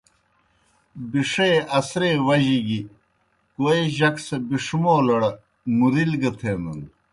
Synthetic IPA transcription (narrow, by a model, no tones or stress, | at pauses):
biʂeːɐsɾeːwɐʑiɡi | koeʑɐksɐbiʂumoːlɐɽɐ | muɾilɡɐt̪ʰeːmɐn